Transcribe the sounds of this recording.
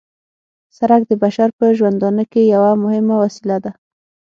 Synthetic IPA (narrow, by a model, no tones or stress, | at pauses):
saɾakd̪əbaʃaɾpəʒwand̪ɑnəkejawamʊhɪmawasilad̪a